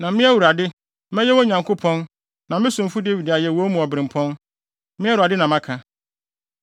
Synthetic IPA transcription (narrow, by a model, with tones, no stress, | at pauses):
nã˨mɪ̃˦æ˦wu˨ɾa˨dɪ˦ | mɛ̃˦jɛ˦wɔ˦ɲã˨ŋkʰo˦pʰɔ̃˦n | nã˨mɪ̃˦sʊ̃˨m̩˨fu˦de˦wi˨da˨jɛ˨wɔ˨˦mũ˨ɔ˨bɾɪ̃˨m˨pʰɔ̃˦n | mɪ̃˦ɛ˦u˨a˨dɪ˦nã˨mã˦kʰa˨